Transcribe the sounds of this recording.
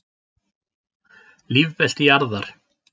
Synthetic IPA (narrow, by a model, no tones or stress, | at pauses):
livpɛl̥t̪ijaɾðaɾ̥